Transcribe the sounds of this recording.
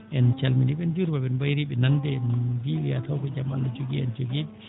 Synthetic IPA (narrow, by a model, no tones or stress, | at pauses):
ʔɛnt͡ʃalmindiɓɛnd͡ʒuɾbaɓɛnbajɾiɓɛnandɛmdiwiat̪awkɔd͡ʒama̰lːad͡ʒoɡiɛnd͡ʒoɡiɓɛ